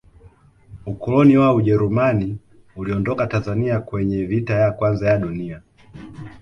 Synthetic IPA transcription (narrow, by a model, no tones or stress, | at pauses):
ukɔlɔniwauʄɛɾumani | uliɔndɔkatanzaniakwɛɲɛvitajakwanzajaɗunia